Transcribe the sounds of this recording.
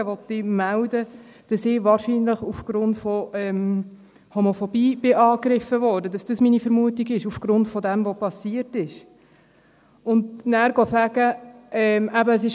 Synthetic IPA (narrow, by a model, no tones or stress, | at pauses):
əʋɔtːɪmældə | d̥ɑsɪʋɑːɾʃiːnləχufɡ̥ɾʊntfɔɛm | hɔmofɔbiːb̥ɪʔɑːkɾɪfəvɔːɾdədɑsd̥ɑsminifɛɾmuətiɡɪʃufɡ̥ɾʊntfɔdɛmvopɑsiətɪʃ | ʊndnæːɾɡ̥ɔsæɡ̥əʔɛmʔæbəəs̬ɪʃ